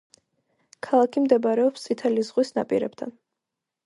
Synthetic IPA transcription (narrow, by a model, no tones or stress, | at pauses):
kʰalˠakʰimd̪ɛbaɾɛɔpst̪sʼit̪ʰɛlizʁwisna̰pʼḭɾɛ̰b̚t̪ʰa̰n